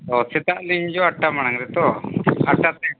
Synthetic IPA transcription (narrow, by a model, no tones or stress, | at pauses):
t̪ɔsɛt̪aʔliɲd͡ʒɔaʈːamaɽaŋɾɛt̪ɔaʈat̪ɛ